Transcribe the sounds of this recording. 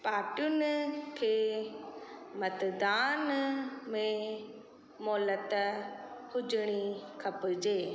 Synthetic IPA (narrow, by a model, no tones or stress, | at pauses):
paːʈijʊnkʰeː | mɐt̪d̪aːnmẽ | mɔːlət̪ | hʊd͡ʑɽ̃ikʰɐpɪd͡ʒeː